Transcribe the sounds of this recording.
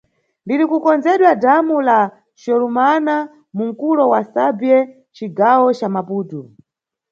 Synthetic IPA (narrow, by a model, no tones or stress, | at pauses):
ndiɾikukɔnd͡zɛɗwadamula | ʃɔlumana | muŋ̩kulɔwasabiɛ | t͡ʃiɡawɔt͡ʃamapuːtu